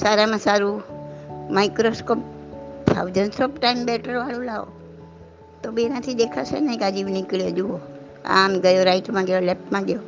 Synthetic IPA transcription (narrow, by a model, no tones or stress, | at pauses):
saɾamãsaɾu | maikɾoskop̚t̪ʰa̰wd͡ʒənsopʈaimbɛʈəɾʋalũlaʋo̰ | t̪obienat̪ʰid̪ekʰasḛnəĩɡad͡ʒiʋnikɭjod͡ʒuo | a̰mɡəjoɾaiʈmãɡjolɛpmãɡəjo